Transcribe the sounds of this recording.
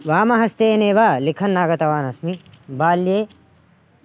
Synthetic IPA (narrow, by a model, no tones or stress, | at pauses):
ʋaːmɐɦɐst̪eːneːʋaːlikʰɐnːaːɡɐt̪ɐʋaːnɐsmibaːljeː